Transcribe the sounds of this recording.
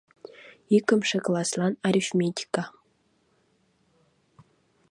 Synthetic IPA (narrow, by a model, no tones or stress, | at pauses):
ikɘ̆mʲʂɘ̆klˠɑslˠɑnaɾʲifmʲetʲi̥ka